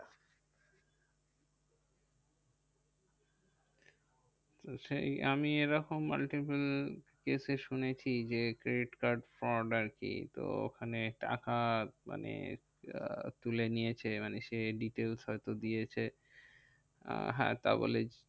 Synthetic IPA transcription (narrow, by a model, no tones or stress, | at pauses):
ʃeamieɾɔkomːa̰lʈipulkeseʃunet͡ɕʰid͡ʑekɾeiʈkaɾɖfɾɔɾɖaɾkḭt̪o̰o̰kʰaneʈa̰kama̰nḛ | t̪ulenijet͡ɕʰemaneʃeɖiʈelsɦɔjt̪od̪ijet͡ɕʰe | ɦɛ̰t̪a̰bo̰le